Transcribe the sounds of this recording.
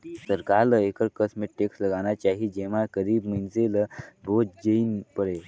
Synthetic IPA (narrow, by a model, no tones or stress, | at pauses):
səɾkaɾləekəɾkəsmeʈʈeksləɡanjat͡ɕaɦiːd͡ʑeʋ̤akəɾiːbmənseləbod͡ʑd͡ʑeinpəɾe